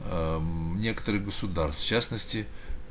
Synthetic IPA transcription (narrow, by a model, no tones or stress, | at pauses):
nʲe̞kə̥t̪əɾɨɣɡəsʊd̪arst̪ft͡ɕasnəsʲtʲɪ